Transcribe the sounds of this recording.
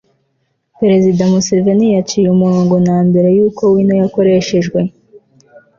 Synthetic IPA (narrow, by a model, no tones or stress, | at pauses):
peɾe̞zidamusevenijat͡ʃiːjumuɾoːŋɡo̞naːmbe̞ɾe̞juːko̞winojako̞ɾe̞ʃe̞ʒɡwe̞